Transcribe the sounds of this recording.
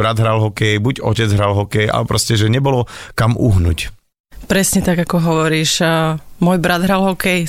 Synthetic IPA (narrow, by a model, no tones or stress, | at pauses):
ɾad̪ɦɾalɦɔkɛjbuɟɔcɛd͡zɦɾalɦɔkɛjʔa̰lɛpɾɔscɛʒɛɲɛbɔlɔkamuɦnṵc | pɾɛsɲɛt̪aɡakɔɦɔʋɔɾiːʃmʊɔjbɾad̪ɦɾalɦɔkɛj